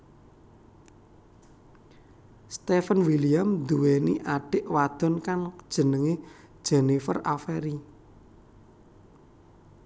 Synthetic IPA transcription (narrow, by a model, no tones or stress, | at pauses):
st̪efənwilijamd̪uwenḭʔaɖ̥ɪ̤ʔwad̪̥ɔ̤nkand̥ʒ̥ə̤nəŋe | d̥ʒ̥e̤nifə̰rafɛɾi